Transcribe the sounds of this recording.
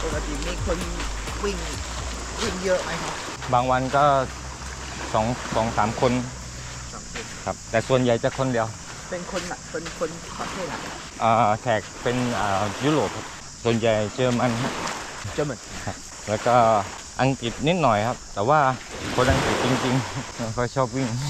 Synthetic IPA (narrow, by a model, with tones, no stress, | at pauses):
t̪ʰo˨˩ka˧˩sʰi˨˩˦miː˧kʰo˧nwi˧˩ŋ | kʰe˧˩ŋjə˦˥ʔma˦˥jkʰa˦˥p̚ | baː˧ŋwa˧nkɔː˥˩ | sɔː˩˦ŋsɔː˩˦ŋsaː˩˦mkʰo˧n | a˨˦˧kʰa˦˧˩p̚t̪ɛː˨˩su˨˩ənja˨˩jt͡ɕaː˨˩kʰːo˧ndi˧əw | pe˧nkʰo˧nla˧˩pʰo˧nkʰo˧n | kʰɔ˨˩t̪ʰeː˥˩na̰˨˧˩ | ʔaː˨˩t̪ʰɛː˨˩k̚pe˧nʔaː˨˩juː˧˥ɾoː˨˩p̚kʰa˧˥p̚ | su˨˩ənja˨˩jt͡ɕɤː˧ma˧n˧ | t͡ɕɤː˧ma˧nkʰa˦˥p̚ | lɛː˦˧˩wkɔː˥˩ | ʔa˧ŋki˨˩t̪̚ni˦˥t̪̚nɔː˨˩jkʰa˦˥p̚t̪ɛː˨˩waː˥˩kʰo˧nʔa˧ŋki˨˩t̪̚t͡ɕi˧ŋt͡ɕi˧ŋː˧kʰɔː˧jt͡ɕʰɔː˥˩p̚wi˥˩ŋ